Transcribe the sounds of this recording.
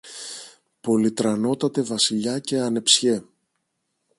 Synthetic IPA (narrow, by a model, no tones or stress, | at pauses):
po̞lit̪ɾɐno̞t̪ɐt̪e̞vɐsiʎɐce̞ɐne̞psçe̞